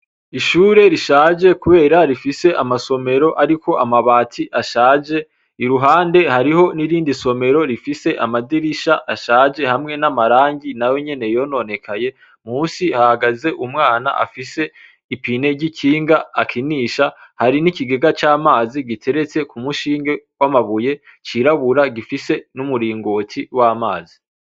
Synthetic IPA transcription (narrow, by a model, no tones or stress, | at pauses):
iʃuːɾe̞ɾiʃaːd͡ʒe̞kuβe̞ːɾaɾifise̞ʔamaso̞me̞ɾo̞ʔaɾiko̞ʔamaβaːtʰiʔaʃaːd͡ʒe̞ | iɾuɦaːnde̞haɾiho̞niɾiːndiso̞me̞ɾo̞ɾifise̞ʔa̰madiɾiʃaʔaʃaːd͡ʒe̞hamŋe̞namaɾaːɲɟinajo̞ɲe̞ne̞jo̞no̞ne̞kʰaje̞ | muːsihahaɡaze̞ʔumŋaːna̰ʔa̰fise̞ | ipine̞ɾɟikʰiːŋɡaːkʰiniʃahaɾinikiɡeɡat͡ʃaːmaːziɡitʰe̞ɾe̞t͡se̞kumuʃiːŋɡe̞wamaβuje̞ | t͡ʃiɾaβuɾaɡifise̞numuɾiːŋɡoːtʰiwaːmaːzi